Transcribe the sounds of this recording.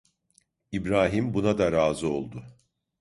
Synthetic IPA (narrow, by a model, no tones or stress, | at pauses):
ibɾaːɦimbunad̪aɾaːzɯo̞lˠd̪ʊ